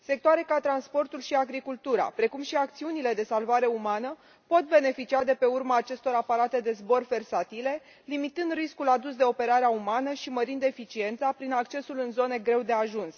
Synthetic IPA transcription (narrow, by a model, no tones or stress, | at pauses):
se̞k̚t̪oaɾe̞kat̪ɾanspo̞rt̪ulʃiaɡɾikult̪uɾa̰pɾe̞kumʃiak̚t̪siunile̞d̪e̞salvaɾe̞umanə | po̞t̪̚be̞ne̞fit͡ʃiad̪e̞pe̞urmaːt͡ʃe̞st̪o̞ɾapaɾat̪e̞d̪e̞zbo̞rve̞rsat̪ile̞ | limit̪ɨnd̪riskulad̪usd̪e̞o̞pe̞ɾaɾeaumanəʃiməɾind̪e̞fit͡ʃie̞nt̪sapɾinakt͡ʃe̞sulɨnzo̞ne̞ɡɾe̞wd̪e̞aʒuns